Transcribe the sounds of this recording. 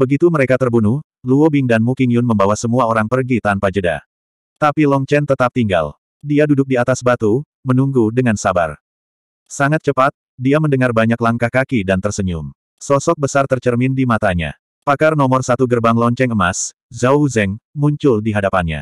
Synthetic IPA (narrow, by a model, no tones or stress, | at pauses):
b̥əɡit̪uməɾekat̪ərbunuh | luobiŋdanmukiŋjʊnməmbawasəmuaoɾaŋpərɡit̪anpad͡ʒəda̰ | t̪apilɔɲt͡ʃɛnt̪ət̪ap̚t̪iŋɡa̰l | diadudʊk̚diat̪asbat̪u | mənuŋɡudəŋansaba̰r | saŋat̪̚t͡ʃəpat̪̚ | diaməndəŋarbaɲaklaŋkahkakidant̪ərsəɲʊm | sɔsɔk̚bəsart̪ərt͡ʃərmɪndimat̪aɲa̰ | pakarnɔmɔrsat̪uɡərbaŋlɔɲt͡ʃɛŋəmas | zauzɛŋmuɲt͡ʃʊldiɦadapanɲa̰